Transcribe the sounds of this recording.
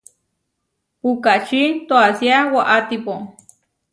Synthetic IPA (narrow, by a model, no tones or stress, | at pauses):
pukaʔt͡ʃit̪oasjawaʔat̪ipo